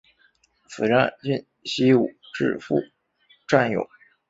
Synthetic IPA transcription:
sɹ̩˨˩ʈ͡ʂa˥˩i˥˩n | ɕi˥u˨˩ʈ͡ʂɻ̩̰˥˧fṵ˥˩ | ʈ͡ʂwa˥˩njo̰˨˩˦ʊ

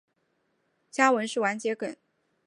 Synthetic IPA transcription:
t͡ɕja˥wə˧˥nʂɻ̩˥˩wa˧˥nt͡ɕjɛ˧˥kə˨˩˦n

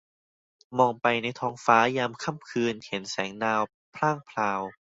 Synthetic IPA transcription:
mɔː˧ŋpa˧jna˧jt̪ʰɔː˦˥ŋfaː˦˥jaː˧mkʰa˥˩mkʰɯː˧nhe˩˦nsɛː˩˦ŋnaː˧w | pʰlaː˥˩ŋpʰlaː˧w

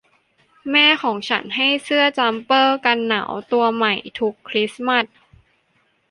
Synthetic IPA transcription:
mɛː˥˩kʰɔː˩˦ŋt͡ɕʰa̰˦˥nɦa˥˩jsɯ˥˩ɐt͡ɕa˧˦˥mpɤː˥˩ka˧nːa̰˩˦wt̪u˧ɐma˨˩jt̪ʰu˦˥kʰːɾi˦˥sma˧˥˩t̪̚

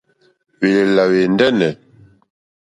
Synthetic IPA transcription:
we˨la˨we˨n˦dɛ˦nɛ˨

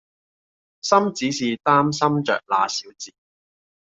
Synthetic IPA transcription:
sɐ˥mt͡siː˨˥siː˨˩t̪aː˥msɐ˥mt͡ʃœ̰ː˨k̚la̰ː˨˧siː˨˥wt͡siː˨˩

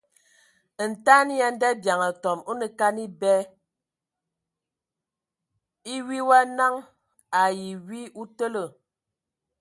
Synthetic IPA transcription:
n̩˨ta˦ni˦ja˦n̩˦dɛ˦bja˨ŋə˨tɔ˨mo˦nə˨ka˦ni˦bɛ˦ | i˦wi˦wa˦na˦ŋ | a˨ji˨wi˦u˦tə˦lə˨

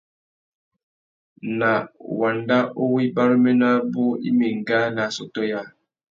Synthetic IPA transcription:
na˨wa˨nda˦ʔo˦wi˦ba˦ɾə˦mɛ˦na˦bo˦ḭ˦mi˨ŋ˨ɡa˦na˨so˨to˦ja˦

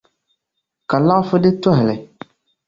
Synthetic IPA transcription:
ka˨la˦fʊ˦dɪ˦tɔ˦ɦɪ˨lɪ˨

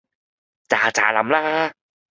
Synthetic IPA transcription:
t͡ɕaː˨˩t͡ɕa̰ː˨˩la̰˨˦mlaː˦˥haː˧˥

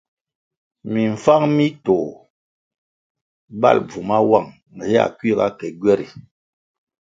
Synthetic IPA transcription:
mi˨ɱ̩˨fa˦ŋmi˦tɔ˨ | ba̰˦˨lb͡vu˨ma˦wa˦˨ŋ̩˨ | hɛ˦a̰˨kɥi˦˨ɡa˦kɛ˨ɡwɛ˦ɾi˨

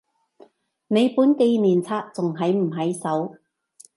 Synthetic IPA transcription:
ne˨˧jpuː˨˥nke˧jniː˨˩nt͡sʰaː˧˥k̚t͡sʊ˨ŋɦɐ˨˥jm̩˨˩ɦɐ˨˥jsɐ˨˥w

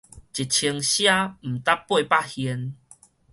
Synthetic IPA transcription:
t͡ɕi˨˩t̚t͡ɕʰi˧ŋɕja˦m̩˨˩t̪a˦pːwe˥˧pa˥˦˨hi˧n

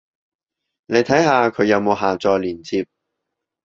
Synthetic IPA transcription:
ne˨˧jt̪ʰɐ˨˥jhaː˧kʰɵ˨˧ɥjɐ˨˧wmo˨˧wɦaː˨t͡sɔː˧jliː˨˩nt͡sʰiː˧p̚

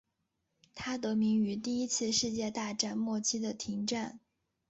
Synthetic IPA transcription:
t̪ʰa˥t̪ɤ˧˥mi˧˥ŋy˧˥t̪i˥˩i˥t͡sʰɹ̩˥˧ʂɻ̩˥˧t͡ɕjɛ˥˧t̪a˥˧ʈ͡ʂa˥˧nmwɔ˥˩t͡ɕʰi˥d̪ə˨t̪ʰi˧˥ŋʈ͡ʂa˥˩n

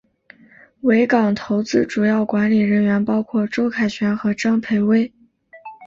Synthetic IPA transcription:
we˧˥ɪkɑ˨˩ŋt̪ʰo˧˥ʊt͡sɹ̩˥ʈ͡ʂu˨˩jɑ˥˩ʊkwa˧˥nli˨˩ɻə˧˥nɥɛ˧˥npɑ˥ʊkʰwɔ˥˩ʈ͡ʂo˥ʊkʰa˨˩ɪt͡ɕʰɥɛ˧˥nxɤ˧˥ʈ͡ʂɑ˥ŋpʰe˧˥ɪwe˥ɪ

